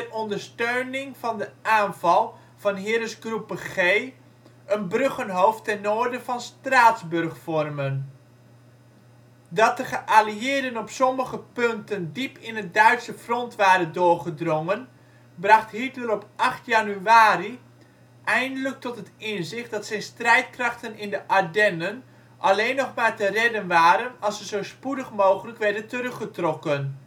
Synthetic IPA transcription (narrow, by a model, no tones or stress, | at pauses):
rʔɔndərstøɥnɪŋvɑndəʔaːnv̥ɑlˠ | v̥ɑnɦɪːɾəsɡrupχeː | ənbrøχənɦowftɛnːoːəɹdəvɑnstraːtzbɵrχfɔrmən | dɑt̚dəχəʔaliɪərdənɔpsɔməχəpɵntəndipɪnət̚dœɥtsəfrɔntʋaːdədʊːrχədrɔŋən | brɑχthitləlɔpʔɑχtjanyaːɾi | ʔɛjndələk̚tɔtɦətɪnzɪχtdɑtsɛjnstrɛjt̚krɑχtənɪndəʔadɛnən | ʔalejnːɔχmaːɹtərɛdənʋaːɾənɑlˠsəzowspudəχmowχələkʋɛɹdəntərɵχətrɔkən